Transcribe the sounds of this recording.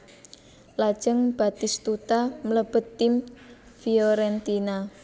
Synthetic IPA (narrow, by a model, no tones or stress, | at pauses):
lad̥ʒ̥əŋb̥a̤t̪ɪst̪ut̪amələb̥ə̤t̪ːɪm | fiɔɾɛnt̪ina